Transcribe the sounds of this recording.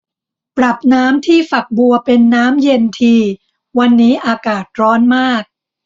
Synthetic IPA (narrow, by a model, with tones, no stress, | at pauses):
pɾa˨˩p̚naː˦˥mt̪ʰiː˥˩fa˨˩k̚bu˧ɐpe˧nːaː˦˥mje˧nt̪ʰiː˧ | wa˧nːiː˦˥ʔaː˧kaː˨˩t̪̚ɾɔː˦˥nmaː˥˩k̚